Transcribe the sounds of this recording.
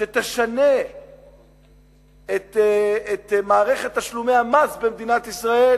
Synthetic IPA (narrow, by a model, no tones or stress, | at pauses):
ʃet̪eʃane | et̪et̪maːʁe̞χe̞t̪ːaʃlume̞jamazbemd̪inat̪isʁae̞